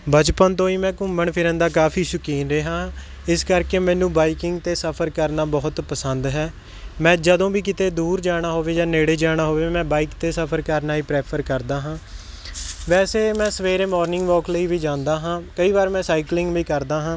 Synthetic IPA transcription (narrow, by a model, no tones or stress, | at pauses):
bəd͡ʒpənt̪õːiːmɛ̃ːkʊmbəɳpʰɪɾə̃nd̪aːk̬aːpʰiːsʊkiːnɾeːɦãː | ɪskəɾkeːmɛ̃ːnũːbaːikɪŋɡt̪eːsəpʰəɾkəɾnaːbɔːʊt̪pəsənd̪ɦɛː | mɛ̃ːd͡ʒəd̪õːbiːkɪt̪eːd̪uːɾd͡ʒaːɽ̃aːɦoːʋeːd͡ʒãːneːɽeːd͡ʒaːɽ̃aːɦoːʋeːmɛ̃ːbaːiːkt̪eːsəpʰəɾkəɾnaːiːpɾeːpʰəɾkəɾd̪aːɦãː | ʋɛːseːmɛ̃ːsəʋeːɾeːmɔːɾnɪ̃ŋɡʋɔːkləiːʋiːd͡ʒãːnd̪aːɦãːkəiːʋaːɾmɛ̃ːsaːiklɪ̃ŋɡʋiːkəɾd̪aːɦãː